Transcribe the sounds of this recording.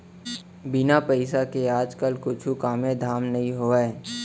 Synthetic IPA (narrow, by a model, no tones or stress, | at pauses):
bɪnapəɪsakeaːd͡ʒkəlkʊt͡ʃʰukaːmẽd̪ʱaːmnɐɦĩɦoːɛ